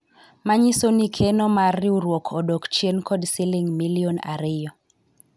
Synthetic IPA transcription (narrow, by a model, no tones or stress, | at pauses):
maɲisonikʰenɔmarːiuɾwokʰɔdokt͡ʃjenkɔdsiliŋmiliɔna̰ɾɪjɔ